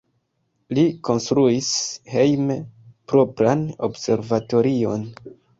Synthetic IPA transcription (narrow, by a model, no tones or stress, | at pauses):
liko̞nstɾuishe̞jmepɾo̞pɾano̞̰bse̞ɾvato̞ɾio̞n